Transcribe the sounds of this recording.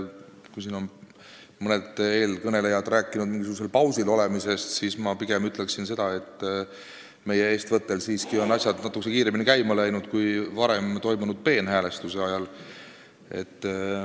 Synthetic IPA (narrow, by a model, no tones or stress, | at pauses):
kujsiːno̞n | mɤne̞d̪̥e̞ːlkɤne̞le̞jɑd̪ræːkˑːinud̪̥̚miŋɡisuɡus̬e̞lpɑwsilo̞le̞mise̞st̪siːsmɑpiɡ̥emyt̪le̞ksinse̞d̪̥ɑe̞t̪ː | me̞jːee̞ːst̪vɤt̪ːe̞lsiːskio̞nːɑsʲjɑd̪̥nɑt̪ːˑukːesekiːɾeminikæjmɑlæjnud̪̥kujvɑɾe̞mt̪o̞jmunud̪̥̚pe̞ːnɦæːle̞st̪use̞ɑjɑl | e̞̰t̪ː